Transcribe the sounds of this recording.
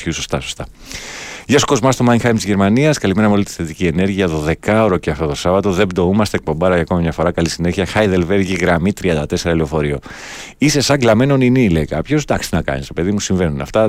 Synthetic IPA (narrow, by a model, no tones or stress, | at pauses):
uso̞st̪ɐsost̪ɐ | ʝɐsu̥ko̞zmɐst̪o̞mɐjnxɐjmt̪izʝe̞ɾmɐniɐskɐlime̞ɾɐmolit̪i̥θet̪icie̞ne̞ɾʝiɐðo̞ðe̞kɐo̞ɾoceɐft̪o̞t̪osɐvɐt̪o̞ðebd̪o̞umɐst̪ek̚po̞mbɐɾɐjʝɐko̞mɐmɲɐfo̞ɾɐkɐlisine̞çiɐxɐjðe̞lve̞ɾʝiɣɾɐmit̪ɾiɐnd̪ɐt̪e̞se̞ɾɐlio̞fo̞ɾio̞ | ise̞sɐɡlɐme̞no̞ninilejkɐpço̞sd̪ɐkst̪inɐkɐ̰nist̪ope̞ðimusiɱve̞nunɐ̰ft̪ɐ